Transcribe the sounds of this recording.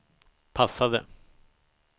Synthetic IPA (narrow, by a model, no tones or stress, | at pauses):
pʰasːad̪ə̰